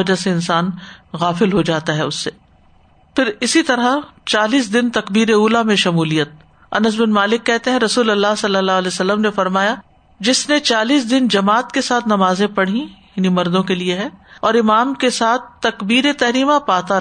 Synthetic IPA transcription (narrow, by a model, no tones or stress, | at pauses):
ɐd͡ʒaseɪnsaːnɣaːfɪlɦod͡ʒaːt̪aɦɛʊsːe | pɪɾɪsit̪ɐɾat͡ʃaːliːs̬d̪ɪnt̪ɐkbiːɾeuːlamẽʃɐmuːlijət̪̚ | ɐ̰nəs̬bɪnmaːlɪkːɛɦt̪ẽɦɛ̃ɾɐsuːlɐlːaɦsɐlːəlːaːlɛsɐlːəmnefɐɾmaːja | d͡ʒɪsnet͡ʃaːliːs̬d̪ɪnd͡ʒɐmaːt̪kesaːt̪ʰnɐmaːzẽpɐɽ̤ĩjaːnimɐɾd̪õkelieɦɛ̃ɔːɾɪmaːmkesaːt̪̚ʰt̪ːɐkbiːɾet̪ɐɦɾiːmãpaːt̪a